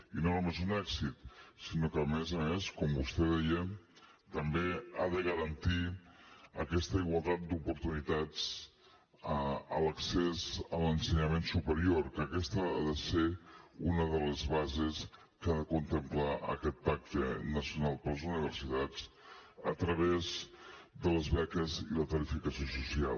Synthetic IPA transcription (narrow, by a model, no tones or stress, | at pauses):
inonumezunɛksit̪sinokəːmɛzəmeskɔmbust̪ɛðɛjə | t̪əmbea̰ðəɣəɾənt̪i | ə̰kɛst̪əiɣwalˠt̪at̪̚d̪upuɾt̪unit̪at͡s | ələksezələnsəɲəmensupəɾioɾkəkɛst̪əaðəseunəðələzβazəs | kaðəkunt̪əmplaʔə̰kɛt̪̚pak̚t̪ənəsiunalˠpəlˠəzuniβ̞ərsit̪ad͡z | ət̪ɾəβezd̪ələzβɛkəzilət̪əɾifikəsiosusial